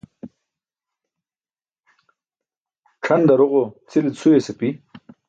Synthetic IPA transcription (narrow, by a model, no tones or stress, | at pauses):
ʈ͡ʂʰɐnd̪ɐɾoʁot͡silit͡sʰuesepi